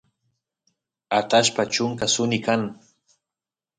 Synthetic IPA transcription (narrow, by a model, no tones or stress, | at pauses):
at̪aʃpat͡ʃʊŋkasʊnɪkaŋ